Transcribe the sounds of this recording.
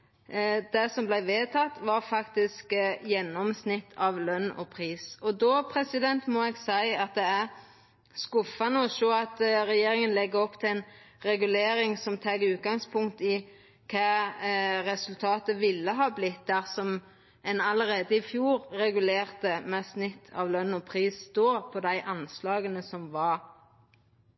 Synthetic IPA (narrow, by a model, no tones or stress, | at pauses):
d̪̥ɛsɔmblæɪʋeːt̪ʰɑt̪ːʋɑɾfɑkt̪ɪskjɛnːɔmsnɪt̪ʰːɑʋlœnːɔ̰pʰʁiːsɔd̪ɔpʰɾɛsɪd̪ɛnt̪mɔɛɡsæɪɑt̪̚d̪ɛæɾ | skʊfɑnəɔʂoːɑt̪ɾɛjeːɾɪŋənlɛɡːəɾɔpːt̪ʰɪæɪn | ɾɛɡʉleːɾɪŋsɔmt̪ʰɛɡʉːt̪̚ɡɑŋspʰʊŋkt̪ɪ | kʰɑː | ɾɛsʉlt̪ʰɑːt̪əʋɪlːəɦɑːblɪt̪̚d̪æʁsɔm | ɛnɑləʁeːd̪əɪfjuːɾːɛɡʉleːʁt̪əmɛsnɪt̪ʰːɑ̰ʋlœnːɔpʰʁiːsd̪oːpʰɔd̪æɪʔɑnslɑːɡənəsɔmʋɑɾ